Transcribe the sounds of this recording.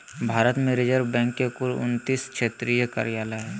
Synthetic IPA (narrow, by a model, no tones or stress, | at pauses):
bʱaːɾət̪mẽɾɪd͡ʒəɾbɛ̃ːŋkːekʊlʊ̰nt̪iːskʃeːt̪ɾijəka̰ːɾijaːləɦɛː